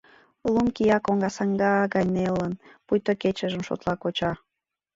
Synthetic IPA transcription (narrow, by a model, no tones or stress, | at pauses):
lumkijɑkoŋɡɑsɑŋɡɑːɡɑjnelənpujt̪oket͡ɕəʒəmʃo̰t̪lɑkot͡ɕɑ